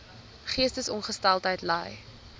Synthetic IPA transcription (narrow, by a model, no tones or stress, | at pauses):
χiəstəsɔnχəstɛlˠtəjtlɛ̰j